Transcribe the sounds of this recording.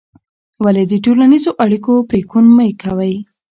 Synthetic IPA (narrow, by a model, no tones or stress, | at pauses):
waled̪əʈolanizoʔaɽikopɾekunməjkawəj